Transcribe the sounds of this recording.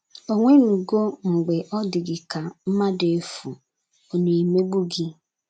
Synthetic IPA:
o˨ŋʷe˦nu˨ɡo˦ŋ͡m̩˨ɡ͡be˨ʔɔ˦dɪ˨ɡɪ˨ka˨m̩˦ma˦de˨fu˨ | o˨ne˨i˨me˦ɡ͡bu˦ɡɪ˦

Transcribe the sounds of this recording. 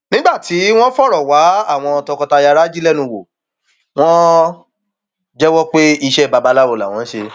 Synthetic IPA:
nĩ˦ɡ͡ba˦˨ti˨˦w̃ɔ̃˦fɔ˦˨ɾɔ˨wa˨˦a˦˨w̃ɔ̃˧ɔ˧tɔ̃˧kɔ˧ta˧ja˧ɾa˦d͡ʒi˦lɛ˦nũ˧wo˨ | w̃ɔ̃˦ | d͡ʒɛ˦wɔ˦k͡pe˦i˧ʃɛ˦˨ba˧ba˨˦la˦wo˨˧˨la˨w̃ɔ̃˨˦ʃe˧

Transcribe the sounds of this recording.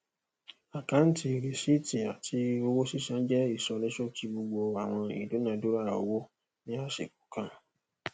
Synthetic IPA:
a˨kã˦n̩˦ti˧˨ɾe˨si˦ti˨a˨tʰi˧o˧wo˦si˦ʃã˨˦d͡ʒɛ˦i˦˨sɔ˧nĩ˦ʃo˦ki˦bo˧ɡ͡bo˧a˨w̃ɔ̃˧ḭ˨do˨˦nã˧˨do˨˦ɾa˦a˨o˧wo˦ | nĩ˦a˦˨ʃḛ˨ko˨˦kã˦˨

